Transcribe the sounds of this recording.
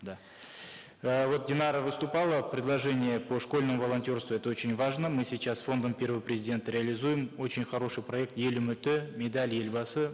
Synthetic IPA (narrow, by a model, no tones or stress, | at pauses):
d̪a | əvo̞t̪̚dʲɪnɑɾəvɨst̪ʊpɑlˠəpɾʲɪd̪lˠɐʐɛnʲɪjəpʰo̞ʂko̞lʲnəmʊvɐlˠɐnʲtʲo̞rst̪vʊɛt̪əo̞t͡ɕɪnʲvaʐnəmɨsʲijt͡ɕasfo̞nd̪əmpʲe̞rvəvpɾʲɪzʲɪdʲe̞nt̪əɾʲɪɐlʲɪzujɪmo̞t͡ɕɪnʲχɐɾo̞ʂɨjprɐe̞k̚t̪je̞lʲumʏt̪ɪmʲed̪alʲjelʲbɑsɨ